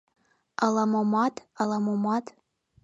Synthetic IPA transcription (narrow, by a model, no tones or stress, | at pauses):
alamomatalˠamomatʰ